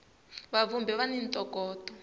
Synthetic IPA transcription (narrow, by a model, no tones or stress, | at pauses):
βavumbɛβanintʼɔkɔːtɔ